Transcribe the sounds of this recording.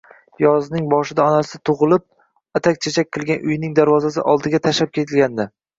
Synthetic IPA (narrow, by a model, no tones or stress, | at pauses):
jɒznɪŋbɒʃɪd̪aɒnasɪt̪ʰʊʁɨlˠɪp̚ | at̪ʰak̚ʲt͡ʃʰet͡ʃʰak̚ʲqʰɨlˠɡʲanʔʊjnɪŋd̪aɾvɒzas̬ɪ̰ʔɒlˠd̪ɪɡʲat̪ʰaʃap̚kʲʰe̞t̪ʰɪlɡʲand̪ɪ